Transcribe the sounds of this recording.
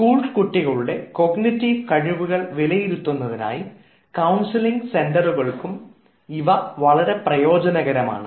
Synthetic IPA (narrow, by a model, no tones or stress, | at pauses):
skuːɭɖkuʈːiɣɐɭuɽe̞ko̞ɡnitːiʋkɐɻiʋuɣɐɭʋilɐjiɾut̪ːunːɐðina̰ːji | kɐwnsiliŋɡse̞ndɐruɣɐɭkum | iʋɐʋɐɭɐɾe̞prɐjo̞ːd͡ʑɐnɐɣɐɾɐma̰ːɳɨ